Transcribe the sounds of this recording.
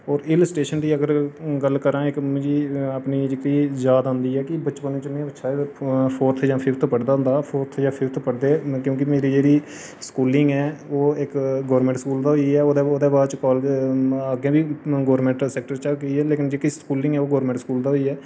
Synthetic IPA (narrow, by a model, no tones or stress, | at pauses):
ɔːɾɪləsʈeːʃənd̪iːəɡəɾɡəlkəɾãːɪkmʊ̃d͡ʒiːaːpniːd͡ʒeːkiːzaːd̪ɦʊ̃nd̪iːɛːkɪbətːt͡ʃpənĩːt͡ʃəmẽətːʃʰaːpʰoːɾt̪ʰd͡ʒãːpʰɪft̪ʰpəɽd̪aːɦʊ̃nd̪aːpʰoːɾt̪ʰjãːpʰɪft̪ʰpəɽd̪eːkjõːkɪmeːɾiːd͡ʒeːɽiː | skuːlɪŋɡɛːoːɪkɡɔːɾmɛ̃ɳʈskuːld̪aːɦoiɛːoːd̪eːoːd̪eːbaːdt͡ʃkɔːld͡ʒaːɡẽːbiːɡoːəɾmẽɳʈsɛːk̚ʈəɾt͡ʃakəiɛːleːkɪnd͡ʒeːkiskuːlɪŋɡɛːoːɡɔːɾmɛ̃ːɳʈskuːld̪aːɦoiːɛː